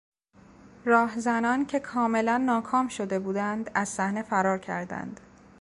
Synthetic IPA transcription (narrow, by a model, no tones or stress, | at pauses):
ɾɒːhzænɒːncʰe̞kʰɒːme̞lænːɒːkʰɒːmʃo̞d̪e̞buːd̪ænd̪æzsæhne̞fæɾɒːɾcʰæ̰ɾd̪æ̰nd̪̥